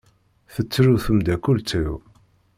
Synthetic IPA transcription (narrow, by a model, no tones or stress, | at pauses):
θət͡sːɾuθəmd̪ækult͡sːəw